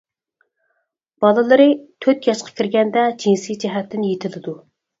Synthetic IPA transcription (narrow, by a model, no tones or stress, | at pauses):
b̥ɑlˠɨlˠɨɾɨt̪ʰøt̪jɑʃqʰɑ̥kʲiɾɡʲɛnd̪ɛd͡ʒinsid͡ʒɛɦɛt̪ːɪnjet̪ʰɪlɪd̪u